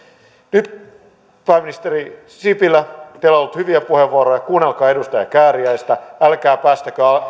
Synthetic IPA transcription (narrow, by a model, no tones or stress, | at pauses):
nyt̪ | pæːmːinist̪eri | sipilːæt̪eololːut̪hyʋiæpuheʋːuoɾojɑkuːnelkɑːe̞dust̪ɑjɑkæːɾiæist̪æælkæːpæːst̪ækøɑ